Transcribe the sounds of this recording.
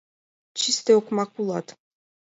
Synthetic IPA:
t͡ʃist̪eɔkmakulˠɑt̪

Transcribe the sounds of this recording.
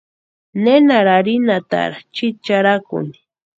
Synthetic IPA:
nenaɾaɾinat̪a̰ɾat͡ʃit͡ʃaɾakʊ̰ni̥

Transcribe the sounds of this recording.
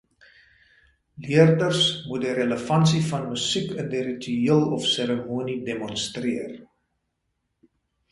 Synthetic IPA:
liərdərsmudiɾələfɐnsifɐnməsikʰəndiɾityiəlˠɔfseɾəmuːnidemɔnstriər

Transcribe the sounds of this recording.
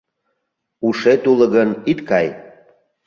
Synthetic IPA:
uʃet̪uləɣənit̪kɑj

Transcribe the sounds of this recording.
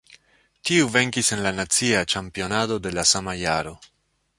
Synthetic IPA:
tiuve̞ŋkise̞nlanat͡siat͡ʃampio̞nado̞de̞lasamajaɾo̞

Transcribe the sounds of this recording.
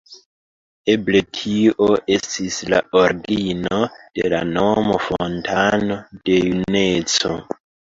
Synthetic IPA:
e̞ble̞tʰioʔe̞stisla̰o̞ɾɡino̞d̥ela̰no̞mofontʰano̞d̥e̞june̞t͡so

